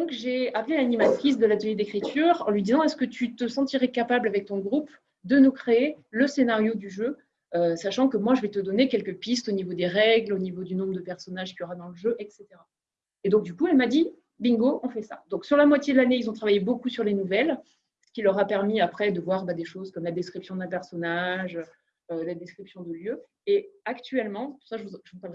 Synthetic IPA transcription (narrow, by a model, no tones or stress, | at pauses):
d̪ɔ̃kʒeaplealanimat̪χis̬d̪əlat̪əljed̪ekχit̪ʰyːʁɑ̃lɥid̪izɑ̃ɛskət̪ʰyt̪əsɑ̃t̪iʁɛkapablavɛk̚t̪ɔ̃ɡʁup | d̪ənukχeeləsenaʁjod̪yʒø | øsaʃɑ̃kəmwaʒəvɛt̪əd̪ɔnekʲɛlkəpist̪onivod̪eʁɛɡlonivod̪ynɔ̃bʁd̪əpɛʁsɔnaʒkʲiɔʁad̪ɑ̃ləʒøʔɛkset̪eʁa | ed̪ɔ̃k̚d̪ykuɛlmad̪i | bĩŋɡoʔɔ̃fɛsa̰d̪ɔ̃ksyʁlamwat̪jed̪əlaneilzɔ̃t̪χavajebokusyʁlenuvɛl | sə̥kʲilœʁapɛʁmiapχɛd̪əvwaʁbad̪eʃozkɔmlad̪ɛskχipsjɔ̃d̪ɛ̃pɛʁsɔnaʒø | ølad̪ɛskχipsjɔ̃d̪əljø | eakt̪ɥɛlmɑ̃ɛpu̥saʒəvuʒəvpaʁlʁɛ